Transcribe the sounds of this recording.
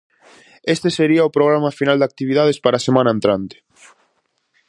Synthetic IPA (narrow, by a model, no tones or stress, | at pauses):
est̪eseɾiɐʊpɾoɣɾamɐfinald̪ak̚t̪iβiðaðespaɾaːsemãnɐaẽnt̪ɾant̪ɪ̥